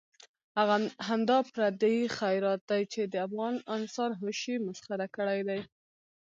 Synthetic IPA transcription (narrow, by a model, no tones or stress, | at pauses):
haɣɦand̪ɑpɾad̪aixajɾɑt̪̚d̪ajt͡ʃed̪əafɣɑnnɪst̪ɑnɦoʃimʊsxaɾakəɽajd̪aj